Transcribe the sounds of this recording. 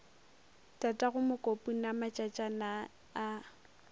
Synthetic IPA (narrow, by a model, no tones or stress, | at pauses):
tʼatʼaɣʊmʊkʼopʼunamat͡ʃʼat͡ʃʼanaː